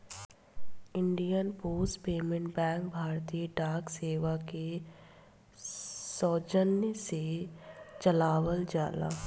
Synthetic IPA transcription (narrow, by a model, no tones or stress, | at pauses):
ɪ̃ɳɖijənpoːspeːmẽɳʈbɛ̃ːŋk̚bʱaːɾt̪ijəɖaːkseːʋake | sɔːd͡ʒənjəse | t͡ʃɐlaːwəld͡ʒaːla̰ː